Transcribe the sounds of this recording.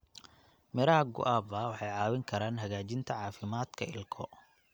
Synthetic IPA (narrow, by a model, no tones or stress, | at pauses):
mɪɾaːɡʊ̰ʔaːbɐwɑħɑjʕɑːwɪŋkʰɐɾaːnɦɐɣaːt͡ʃɪnt̪ʰɐʕɑːfɪmaːd̪̥kʰɐɪ̰lkʰɔ